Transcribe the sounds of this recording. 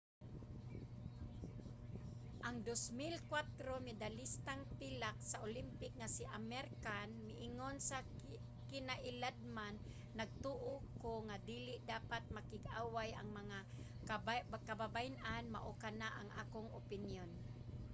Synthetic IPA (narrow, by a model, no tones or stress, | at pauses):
ʔaŋd̪osmɪlkwat̪ɾomɪd̪alist̪aŋpilaksaʔolimpɪk̚ŋasiʔamɛɾkanmɪʔɪŋonsa | kɪnaʔɪlad̪̚manː | aɡ̚t̪uʔokoŋad̪iːlɪʔd̪aːpat̪̚makɪɡʔaːwajʔaŋmaŋa | kababajnʔanma̰ʔokanaʔaŋʔa̰ːkoŋʊpɪnjon